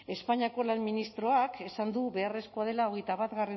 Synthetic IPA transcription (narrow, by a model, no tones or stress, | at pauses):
e̞spaɲiako̞lanminist̪ɾo̞ake̞sand̪uβe̞are̞sko̞að̞e̞lao̞ɣejt̪aβat̪ɣare